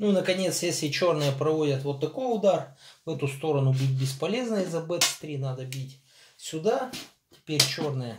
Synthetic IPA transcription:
nunəkɐnʲe̞t̪sjesʲlʲɪt͡ɕo̞rnɨjəpɾɐvo̞dʲət̪vo̞t̪ːɐko̞jʊd̪arvɛt̪ʊst̪o̞ɾɐnʊbʲit̚ʲbʲɪspɐlʲe̞znəɪzːɐbɛt̪st̪ɾʲinad̪əbʲitʲ | sʲʊd̪a | tʲɪ̥pʲeɾʲt͡ɕornɨjə

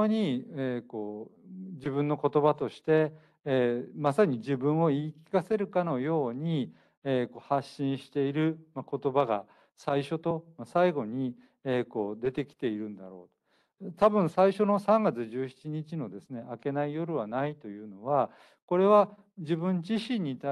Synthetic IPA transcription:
ɲ̟ieko̞ːd͡ʑibɯ̟̃nːo̞ko̞t̪o̞bat̪o̞ɕi̥t̪e̞ | masaɲ̟iʑibɯ̟̃ɰ̃o̞iːkʲi̥kase̞ɾɯ̟kano̞jo̞ːɲ̟i | eːko̞haɕːĩɰ̃ɕi̥t̪e̞iɾɯ̟mako̞t̪o̞baɡa | saiɕo̞t̪o̞masaiɡo̞ɲ̟i | eːko̞ːd̪e̞t̪e̞kʲi̥t̪e̞iɾɯ̟̃nd̪aɾo̞̰ːt̪o̥ | t̪abɯ̟̃ɰ̃saiɕo̞no̞sãŋɡat͡sɨʑɨːɕi̥t͡ɕiɲ̟it͡ɕino̞d̪e̞sɨne̞ʔake̞naijo̞ɾɯ̟βanait̪o̞jɯ̟ːno̞βa | ko̞ɾe̞βa | d͡ʑibɯ̟̃ɲd͡ʑiɕĩɲ̟ːit̪a

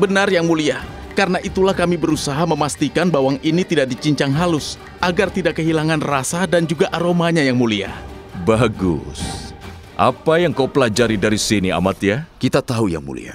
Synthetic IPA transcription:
bənarjaŋmuliah | karənaʔit̪ulahkamibəɾusaɦaməmast̪ikanbawaŋinit̪idaʔ̚dit͡ʃiɲt͡ʃaŋɦalʊs | ʔaɡart̪idaʔkːəɦilaŋanrasadand͡ʒuɡaʔaɾomaɲajaŋmulia̰h | baɡʊ̰s | ʔa̰pajaŋkawpəlad͡ʒaɾidaɾisinia̰mat̪jakit̪at̪auja̰ŋmṵlḭa̰

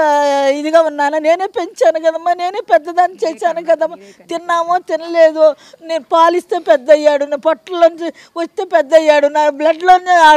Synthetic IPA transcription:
id̪iɡaːunːaːnane̞ːneːpeɲt͡ʃaːnukɐd̪ɐmːane̞ːneːpɛd̪ːɐd̪aːnːit͡ʃɛːsaːnukɐd̪ɐmːa | t̪inːaːmoːt̪inɐleːd̪o | neːnupaːlist̪e̞ːpɛd̪ːɐjːaːɽuneːpɐʈːɐlɐnt͡ʃi | ʋɐt͡ʃt̪eːpɛd̪ːɐjːaːɽunaːblɐɖloːnaː

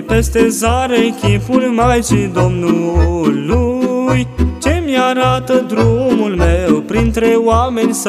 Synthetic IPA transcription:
pe̞st̪e̞zaɾekʲifulmajʃid̪o̞mnulujt͡ʃe̞mjaɾat̪əd̪ɾumulmewpɾint̪ɾe̞oame̞nʲs

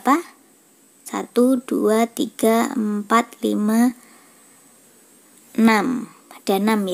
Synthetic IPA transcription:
pa | sa̰t̪ud̥uat̪iɡ̥aə̰mpat̪lḭma | nam | ad̥a̤namj

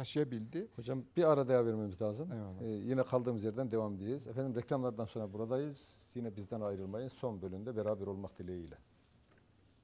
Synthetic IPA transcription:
t̪ʰaʃɯjabilʲd̪ɪho̞d͡ʒambiaɾad̪ajaveɾmemizlʲaːzɯmjinɛkʰalˠd̪ɯːmɯzjeɾd̪ænd̪e̞vamed̪eɾeɾizfænd̪imɾɛcʰlʲamlˠaɾd̪anso̞nɾabuɾad̪ajɯz̥jinɛbizd̪ɛnajɾɯlˠmajɯnso̞nbø̞lʲynd̪ɛbeɾaːbɛɾo̞lˠmakd̪ilʲejijlʲɛ

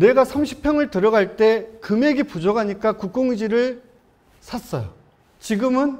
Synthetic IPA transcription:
ne̞ɡasʰamɕʰi̥pʰjʌŋɯɭtɯɾʌɡaɭt͈e̞kɯmeɡipud͡ʑʌɡaɲik͈akuk̚k͈oŋid͡ʑiɾɯɭ | sʰas͈ʌjo | t͡ɕiɡɯmɯn

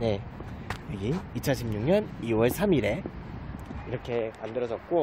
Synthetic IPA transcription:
ɲe̞jʌɡiːt͡ɕʰʌnɕʰimɲuŋɲʌniwʌɭsʰamiɾe̞ | iɾʌkʰe̞mandɯɾʌd͡ʑʌt̚k͈o

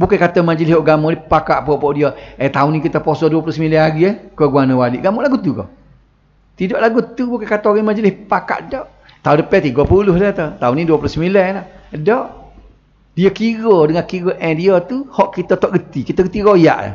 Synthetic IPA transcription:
bukakat̪əmad͡ʒəlɪsɔʔɡamɔlipakaʔpɔʔpɔʔdiəət̪aʊnikit̪əposɔduəp̬lʊhsəmilɛnaɣiəhkəɡuanəwalḭʔɡamuʔlaɡut̪ukɔ̰ | t̪idɔʔlaɡut̪ubukakat̪oɣɛŋmad͡ʒəlɪhpaka̰ʔdɔʔ | t̪aundəpɛt̪iɡɔpulʊhdət̪ət̪auniduəpulʊhsəmilɛladɔʔ | diəkiɣɔdəŋankiɣəʔɛdiət̪uhɔʔkit̪ət̪ɔʔɡət̪ikit̪əɡət̪iɾoja̰ʔa̰

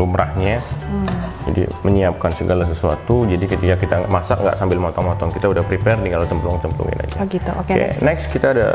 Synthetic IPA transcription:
lumɾahɲa | d͡ʒa̰dḭməɲiap̚kansəɡalas̬əsua̰t̪ud͡ʒadikət̪ikakit̪amasakŋɡa̰ʔsambɪlmɔt̪ɔŋmɔt̪ɔŋkit̪audahpɾipɛrt̪iŋɡalat͡ʃəmpəluŋt͡ʃəmpəlṵŋa̰na̰d͡ʒɡit̪uokknɛkskit̪aːda̰

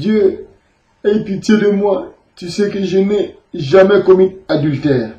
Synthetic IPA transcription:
d̪jø | epit̪jed̪əmwa | t̪ysekəʒənɛ | ʒamɛkɔmynad̪ylt̪ɛːʁ

